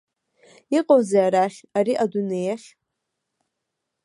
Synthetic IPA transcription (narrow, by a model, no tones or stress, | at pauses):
iqʼozaaɾaχʲaɾiʔadunejaχʲ